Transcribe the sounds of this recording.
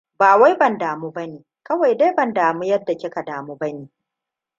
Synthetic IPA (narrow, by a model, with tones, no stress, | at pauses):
baː˨wa˦jbɐ˨ndaː˨mu˦bɐ˦neː˨ | kɐ˦wa˨jda˦jbɐ˨ndaː˨mu˦jɐ˦dːa˨kʲɪ˦ka˨daː˨muː˦bɐ˦neː˨